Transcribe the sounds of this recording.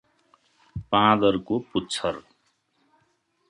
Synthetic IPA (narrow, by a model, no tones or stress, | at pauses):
pãd̪ʌɾkoputːt͡sʰʌr